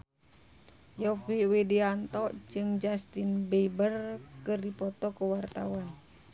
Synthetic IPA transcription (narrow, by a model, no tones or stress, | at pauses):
jɔfiwediant̪ɔʔd͡ʒɨŋd͡ʒast̪inbɛbərkɨrdipɔt̪ɔkəwart̪awan